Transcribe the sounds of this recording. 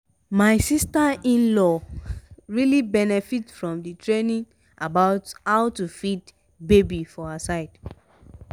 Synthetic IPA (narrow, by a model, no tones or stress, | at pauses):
maɪsistaĩnlɔ | ɹilibɛnɛfitfɹɔ̃mdɨtʰɹenĩŋ | abaʊthaʊtufit | bebifɔasaɪd̥